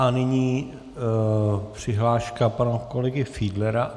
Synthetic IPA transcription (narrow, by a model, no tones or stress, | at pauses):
anɪɲiː | pr̝̥ɪɦlaːʃkapanokolɛɡɪfiːdlɛɾa